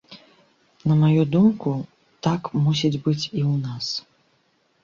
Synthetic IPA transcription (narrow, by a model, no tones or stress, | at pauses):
nɐmajud̪umku | t̪akmusʲid͡zʲbɨt͡sʲiwnas